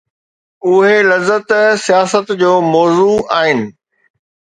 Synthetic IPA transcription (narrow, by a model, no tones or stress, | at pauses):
ʊɦelɐzːət̪sijaːsət̪d͡ʑoːmɔːzuaːɦɪnɪ̆